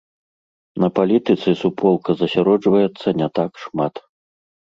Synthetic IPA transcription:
nɐpalʲit̪ɨt̪sɨsupʰɔlˠkɐzɐsʲaɾɔd͡ʐvɐjɛt̪sːɐnʲɛt̪akʂmat̪

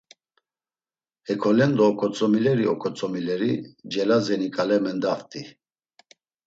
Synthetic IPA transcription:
hɛkʰɔlɛnd̪ɔːkʼɔt͡sʼɔmilɛɾiɔkʰʼɔt͡sʼɔmilɛɾid͡ʒɛlazɛnikʼalɛmɛnd̪aft̪ʼi

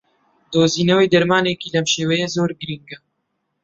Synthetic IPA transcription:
d̪oːziːnɛweːd̪ɐɾmaːneːkiːlɛmʃeːwɛjɛzoːɾɡɨɾiŋɡɛ

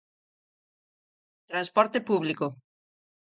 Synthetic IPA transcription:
t̪ɾanspɔɾt̪epuβliko

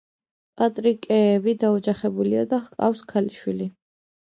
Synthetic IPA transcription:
pʼat̪ʼɾikʼɛːvid̪aɔd͡ʒaχɛbuliad̪aχqʼa̰fskʰaliʃwili

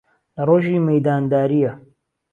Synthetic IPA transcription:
lɐroːʒiːmɐjd̪aːnd̪aːɾijɐ

